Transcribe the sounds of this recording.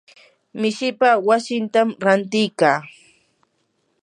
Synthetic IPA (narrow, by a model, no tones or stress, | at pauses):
mɪʃɪpawasɪnt̪amɾant̪ɪjkaː